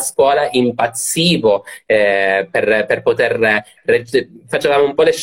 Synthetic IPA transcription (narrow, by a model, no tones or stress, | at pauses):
skwɔːlaʔimpat̪siːvo | perperpot̪er | red͡ʒfat͡ʃevaːmoumpɔleʃ